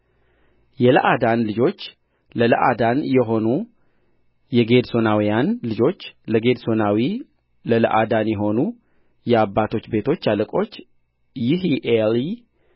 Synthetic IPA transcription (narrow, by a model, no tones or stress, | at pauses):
jɛləʔad̪anlɨd͡ʒo̞t͡ʃː | lələ̰ʔa̰d̪anjɛɦo̞nu | jɛɡe̞d̪so̞nawijanlɨd͡ʒo̞t͡ʃːləɡe̞d̪so̞nawi | lələʔad̪anjɛɦo̞nu | jɛabːat̪ʰo̞t͡ʃːbe̞t̪ʰo̞t͡ʃːaləkʼo̞t͡ʃː | jiɦiʔeli